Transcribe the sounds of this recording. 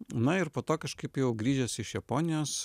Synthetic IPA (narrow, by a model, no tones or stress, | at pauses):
nɐɪɾpoːt̪oːkɐʃkɐɪpjɛʊɡɾʲiːʒʲɛsɪʃjɛpoːnʲɪjoːs